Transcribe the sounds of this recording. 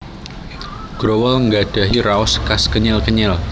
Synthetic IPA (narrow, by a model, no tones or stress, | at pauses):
ɡ̥ɾowəlŋɡad̥a̤ɦiɾaɔskaskəɲɪlkəɲɪl